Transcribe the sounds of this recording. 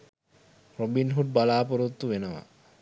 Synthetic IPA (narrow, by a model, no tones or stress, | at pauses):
robinɦuʈ̚balaːpoɾot̪ːuʋenəʋa̰